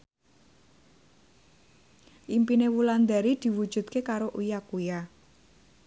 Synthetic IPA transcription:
ʔimpinewuland̪aɾid̪̥i̤wud̥ʒ̥ṳt̪̚kekaɾoʔujakuja

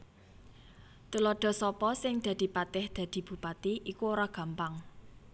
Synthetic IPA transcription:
t̪ulɔɖ̪̥ɔ̤sɔpɔsɪŋd̪̥ä̤d̪̥i̤pat̪ɪhd̪̥ä̤d̪̥i̤b̥ṳpat̪iʔikuoɾaɡ̥ä̤mpaŋ

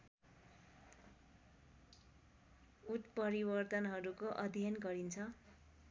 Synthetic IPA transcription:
ut̪pʌɾibʌrt̪ʌnɦʌɾukoʔʌd̪ʱjʌnɡʌɾint͡sʰʌ

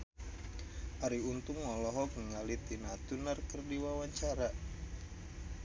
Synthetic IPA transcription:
ʔaɾiunt̪uŋːɔlɔɦɔkəŋalit̪inat̪unərkərdiwawaɲt͡ʃaɾa

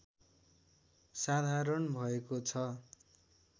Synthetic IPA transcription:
sad̪ʱaɾʌnbʱʌekot͡sʰʌ

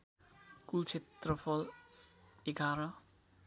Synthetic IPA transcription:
kut͡sʰet̪rʌpʰʌl | eɡaɾʌ

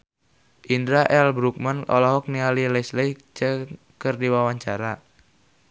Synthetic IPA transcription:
ʔindɾaʔɛlbɾuk̚manɔ̰lɔɦɔk̚nialilɛslɛt͡ʃə | kərdiwawaɲt͡ʃaɾa

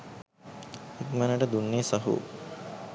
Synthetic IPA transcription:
it̪mɐnəʈəd̪unːeːsɐɦṵ

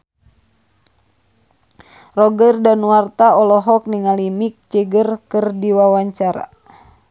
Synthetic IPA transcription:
rɔɡərdanwart̪aɔlɔɦɔk̚niŋalimik̚t͡ʃəɡərkɨrdiwawaɲt͡ʃaɾa̰

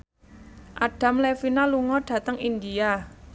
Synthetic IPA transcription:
ʔaɖ̥a̤mlefinaluŋɔɖ̥ä̤t̪əŋind̪ia

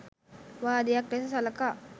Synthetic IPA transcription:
ʋaːd̪ejakɾesəsaləka

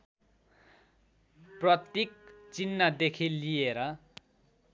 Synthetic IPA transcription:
prʌt̪jik̚t͡sinːʌd̪ekʰilijeɾʌ

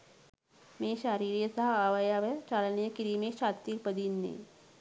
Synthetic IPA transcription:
meɕaɾiːɾijəsaɦaʋajaʋət͡ɕalnjəkiɾimeɕat̪ipəd̪iːnːḛ

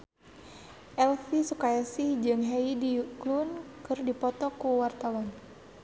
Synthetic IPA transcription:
ʔɛlfisukajasihd͡ʒɨŋɦɛidiklunkɨrdipɔt̪ɔkuwart̪awan

